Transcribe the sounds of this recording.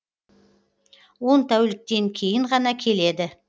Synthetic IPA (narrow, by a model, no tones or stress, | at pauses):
wo̞nt̪ʰæwlɪk̚t̪e̞ŋkʲʰe̞jɪɴʁɑnɑkʲʰe̞le̞d̪ɪ